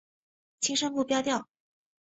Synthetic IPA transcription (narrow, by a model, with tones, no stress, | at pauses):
t͡ɕʰi˥ŋʂə˥ŋpu˥˧˩pjɑ˥ʊt̪jɑ˥˩ʊ